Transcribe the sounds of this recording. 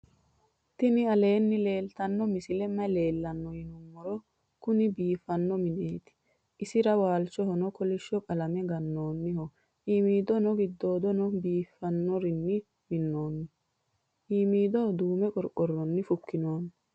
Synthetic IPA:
t̪ɪnɪɐle̞ːnːɪle̞ːlt̪ɐnːɔmɪsɪlɛmːɐle̞ːlːɐnːɔhɪnʊmːɔɾɔ | kʊnɪbiːfːɐnːɔmɪneːt̪ɪ̥ | ʔɪsɪɾɐwaːlt͡ʃːɔhɔnɔkɔlɪʃɔkʼɐlɐmɛɡɐnːo̞ːnːɪhɔ | ʔiːmiːd̪ɔnɔɡɪd̪ːo̞ːd̪ɔnɔbiːfːɐnːɔɾɪnːɪ | mɪnːo̞ːnːɪ | ʔiːmiːd̪ɔd̪uːmɛkʼɔɾkʼːɔrːɔnːɪfʊkːɪno̞ːn

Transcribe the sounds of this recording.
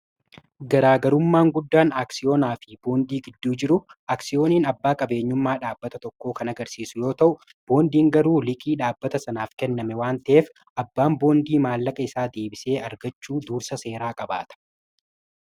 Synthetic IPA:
ɡɐɾaːɡɐɾʊmːaːŋɡʊd̪ːaːnaːksɪjo̞ːnaːfɪb̥o̞ːnd̪iːɡɪd̪ːuːd͡ʒɪɾʊaːksɪjo̞ːniːnɐbːaːkʼɐbe̞ːɲːʊmːaːᶑaːbːɐt̪ɐt̪ɔkːoːkɐnɐɡɐɾsiːsʊjo̞ːt̪ɐʔʊ | b̥o̞ːnd̪iːŋɡɐɾuːlɪkʼiːᶑaːbːɐt̪ɐsɐnaːfkɛnːɐmɛwaːnt̪ɐʔeːf | ʔɐbːaːmbo̞ːnd̪iːmaːlːɐkʼɐɪsaːd̪e̞ːbɪse̞ːʔɐɾɡɐt͡ʃːuːd̪uːɾsɐse̞ːɾaːkʼɐba̰ːt̪ɐ̥

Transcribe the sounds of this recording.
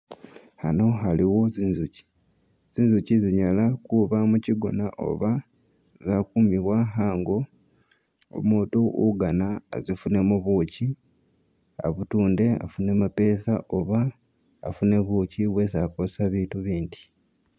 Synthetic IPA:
hano̞ɦaliwo̞zinzuci̥ | z̥inzuciziɲalakuβamuciɡo̞naʔo̞̰βa | zakumiβwaɦaːŋɡo̞ | o̰muːtuʔuɡana̰zifune̞muβuːci | a̰βutuːnde̞a̰funemape̞ːsaʔo̞βa̰ː | fune̞βuciβwe̞zakosaβiːtuβiːndi̥

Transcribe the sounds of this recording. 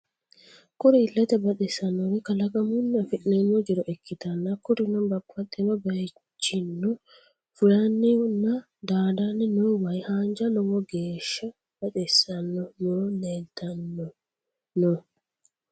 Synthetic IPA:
kʊɾɪɪlːɛt̪ɛbɐtɛsɐnːɔwɪkɐlɐɡɐmʊnːɐfɪʔnenːɔd͡ʒɪɾɔʔɛkːɪt̪ɐnːɐkʊɾɪnɔnbɐbːɐt̪ʼːɪnɔbe | t͡ʃːɪnːɔ | fʊlɐnːɪnːɐ | d̪aːd̪anːɪnɔwɐjhaːnd͡ʒɐnɔmɔɡeːʃːɐ | b̥ɐᶑɛsːɐnːɔnoːnet̪ːɐnːɔ | nɔ

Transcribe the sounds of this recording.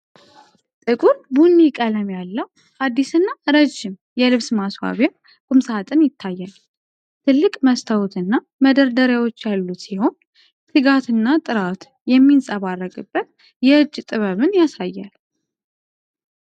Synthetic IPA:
t̪ʼɨkʼuɾbunːikʼələmjalːəw | ad̪ːisɨnːaɾəd͡ʒːɪm | jɛlɨβsmaswa̰βja | kʼʊmsat̪ʼɨnjɪt̪ʰːajːal | t̪ʰɨlːɨkʼməst̪ʰəwut̪ʰɨnːa | məd̪əɾd̪əɾjawo̞t͡ʃːjalːut̪siho̞n | sɨɡat̪ɨnːat̪ʼɨɾat̪ | jɛmːinsʼəβarːəɡʼɨbːət̪̚ | jɛɨd͡ʒːt̪ʼɨβəβɨnjasajːa̰l

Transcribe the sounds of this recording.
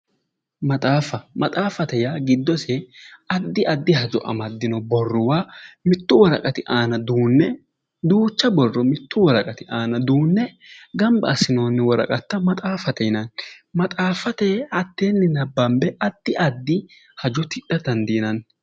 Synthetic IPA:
mɐt̪ʼaːfɐmɐt̪ʼaːfɐt̪ɛjaɡɪd̪ːɔsɛɐd̪ːɪʔɐd̪ːɪɦɐd͡ʒɔ̰ʔɐ̰mɐd̪ːɪnɔbɔrːʊwaːmɪt̪ːʊwɔɾɐ̰kʼɐt̪ɪʔaːnɐd̪uːnːɛ | d̪uːt͡ʃːɐbɔrːɔmɪt̪ːʊwɔɾɐkʼɐt̪ɪʔaːnɐd̪uːnːɛ | ɡɐmbɐːsɪnoːnːɪwɔɾɐ̰kʼɐt̪ːɐmɐt̪ʼaːfɐt̪ɛnɐnmɐt̪ʼaːfɐt̪ɛɐt̪ːeːnːɪnɐbːɐmbɛʔɐd̪̥ːɪʔɐd̪ːɪ | hɐd͡ʒɔt̪ɪᶑɐt̪ɐnd̪iːnɐn

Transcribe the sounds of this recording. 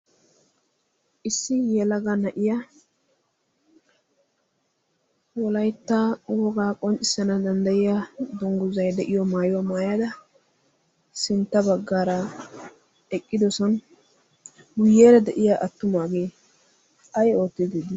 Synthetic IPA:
ʔɪsːɪjɛlɐɡɐnɐʔɪjɐ | wɔlɐjt̪ːawɔɡaːkʼɔnt͡ʃʼɪsɐnɐd̪ɐnd̪ɐjɪjad̪ʊŋɡʊzɐjd̪ɛʔɪjɔmaːjʊwamaːjad̪ɐ | sɪnt̪ːɐbɐɡːaːɾɐ | ɛkʼːɪd̪ɔsɔn | ɡʊjːeːɾɐd̪ɛʔɪjaʔɐt̪ːʊmaːɡeː | ɐjo̞ːt̪ːɪd̪id̪ɪ

